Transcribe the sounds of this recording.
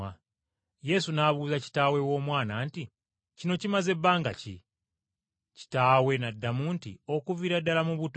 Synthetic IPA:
a | je̞sunaβuːzaci̥taːwe̞wo̞ːmwaːnaːnti | cino̞cimaze̞bːaːŋɡa̰cḭ | ci̥taːwe̞nadːamuntḭo̞kuviɾadːalamuβut

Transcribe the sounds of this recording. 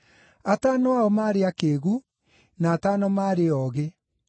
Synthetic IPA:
ataːnɔaɔmaːɾeakeːɣu | naːtanɔmaːɾeɔːɣe

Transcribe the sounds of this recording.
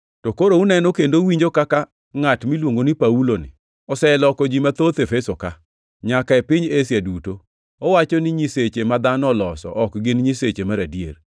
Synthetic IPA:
tɔkoɾounɛnɔkendowiɲd͡ʒokaka | ŋatmilwoŋɡonɪpaulonɪ̰ | ɔsɛlɔkɔd͡ʒimat̪ot̪efesoka | ɲakaepɪɲesjaduto | ɔwat͡ʃɔnɪɲiset͡ʃemad̪anɔlɔsɔ̰ʔɔkɡɪnɲiset͡ʃemaɾadjḛr

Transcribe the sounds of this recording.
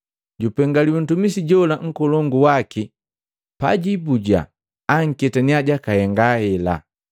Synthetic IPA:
ɟupɛŋɡaliwɛn̩tumisiɟɔlaŋ̩kɔlɔŋɡuwaki | pa̰ɟibuɟa̰ː | ŋ̩kɛtaniaɟakahɛŋɡahɛla̰

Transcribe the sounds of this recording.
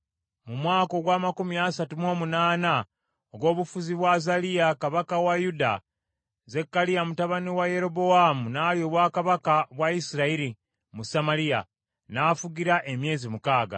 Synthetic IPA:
mumwaːko̞ɡwaːmakumiasatumo̞ːmunaːna | oɡwo̞ːβufuziβwazalijakaβakawajuda̰ | zekːalijamutaβaniwaje̞ɾo̞bo̞amunaːljo̞ːβwakaβakaβwaisiɾaiɾi | musamalija̰ | naːfuɡiɾaʔe̞mje̞ːzimukaːɡa̰

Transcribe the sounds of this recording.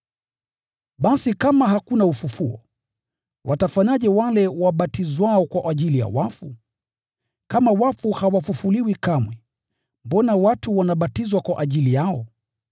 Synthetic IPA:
ɓasikamaɦakunaufufuɔ̰ | wʔatafaɲaʄɛwalɛwaɓatizwaɔkwaʔaʄilija̰wafu | kamawafuhawafufuliwikamwɛ | mbɔnawatuwanaɓatizwakwaʔaʄilijaɔ

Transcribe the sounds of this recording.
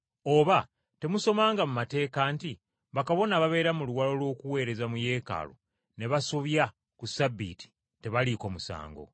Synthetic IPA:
o̞ːβa | te̞muso̞maːŋɡamumate̞ːkaːnti | βakaβo̞naβaβe̞ːɾamuluwalo̞lwo̞ːkuwe̞ːɾe̞zamuje̞ːka̰ːlo̰ | ne̞βasoβja | kusabːḭti̥ | te̞βaliko̞musa̰ːŋɡo̞̰

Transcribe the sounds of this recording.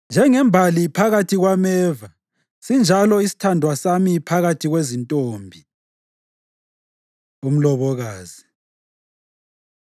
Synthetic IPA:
nd͡ʒʱɛŋɛmbʱalipʰaɣatʰiɣwamɛːva | sind͡ʒʱalɔisi̥tʰandʱwasamipʰaɣatʰiɣwezintʼoːmbʱi | um̩lɔβɔɣaːzi

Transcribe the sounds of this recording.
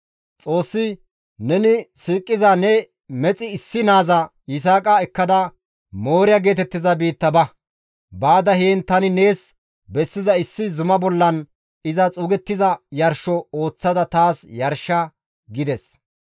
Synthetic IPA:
t͡sʼo̞ːsːɪ | nɛnɪsiːkʼːɪzɐnɛ | mɛt͡sʼɪɪsːɪnaːzɐ | jɪs̬aːkʼɐɛkːɐd̪ɐ | mo̞ːɾɪjɐɡe̞ːt̪ɛt̪ːɪzɐbiːt̪ːɐbɐ | baːd̪ɐheːnt̪ɐnɪne̞ːs | bɛsːɪzɐɪsːɪzʊmɐbɔlːɐn | ɪzɐt͡sʼuːɡɛt̪ːɪzɐjɐɾʃɔo̞ːt͡sːɐd̪ɐt̪aːsjɐɾʃːɐ | ɡɪd̪ɛs

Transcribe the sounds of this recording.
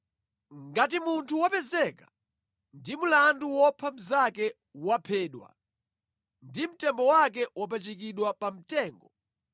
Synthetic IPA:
ŋɡat̬imuntʰuwapɛzɛkḁ | ndimulanduwɔpʰam̩zakɛ | wapʰɛːɗwa̰ | ndim̩tɛmbɔwak̬ɛwap̬ɛt͡ʃikiɗwapam̩tɛːŋɡɔ

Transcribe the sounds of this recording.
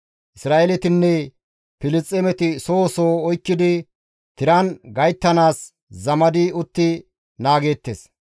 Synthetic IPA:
ʔɪsɾaːʔelɛt̪ɪnːɛ | pɪlɪt͡sʼːɛmɛt̪ɪsoːsoːɔjkːɪd̪ɪ | t̪ɪɾɐnɡɐjt̪ːɐnaːs | zɐmɐd̪ɪʊt̪ːɪ | naːɡe̞ːt̪ːeːs

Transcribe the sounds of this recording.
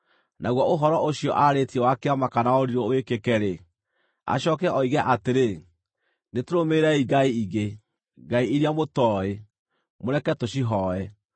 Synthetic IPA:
naɣwɔoɦɔɾɔʔoɕiɔʔaɾetiɛwakeamakanaoɾiɾɔoekekɛɾe | a̰ɕɔkɛʔɔiɣɛʔateɾe | netoɾomeɾɛiɡaiiɣe | ɡaiiɾiamotɔe | moɾɛkɛtoɕiɦɔɛ

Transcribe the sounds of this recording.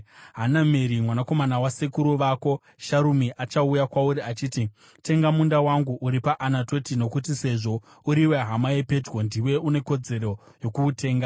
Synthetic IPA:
ɦanameɾimwanako̞manawasekuɾuʋaːko̞ | ʃaɾumiʔat͡ʃaujakwauɾiat͡ʃiːti | te̞ŋɡamundawaŋɡuʔuɾipaʔanato̞tino̞kutise̞ʐo̞ | uɾiweɦamaepe̞d͡ʒɡo̞ndiwe̞une̞ko̞d͡ze̞ɾo̞ | jo̞kuːte̞ːŋɡa

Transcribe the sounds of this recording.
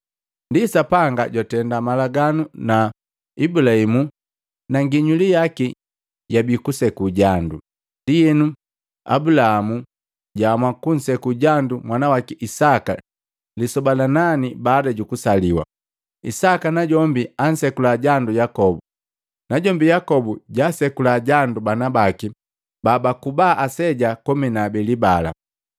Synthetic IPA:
ndisapaŋɡaɟɔtɛndamalaɡanuna | ibulaimu | naŋɡiɲulijaki | ɟabikusɛkuɟandu | ndijɛnu | a̰bulahamu | ɟaːmwakun̩sɛkuɟandumwanawakiʔisaka̰ | lisɔbalananibaːdaɟukusaliwa̰ | isakanaɟɔmbian̩sɛkulaɟandujakɔbu | naɟɔmbijakɔbuɟasɛkulaɟandubanabaki | babakubaːʔasɛɟakɔminabɛlibala̰

